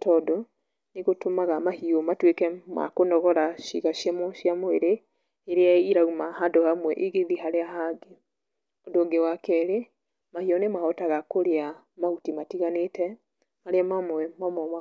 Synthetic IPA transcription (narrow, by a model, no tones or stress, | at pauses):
tɔdo | neɣotomaɣamahiɔmatwekɛma̰konɔɣɔɾaʃḭɣaʃjamɔʃiamoeɾeː | ɾeaiɾaumahadɔhamwɛʔiɣeðiɦaɾeaɦaɡe | odoːɡewakɛɾe | mahiɔnemaɔtaɣakoɾea | mautimatiɣanetɛ | maɾeamamwɛmamɔma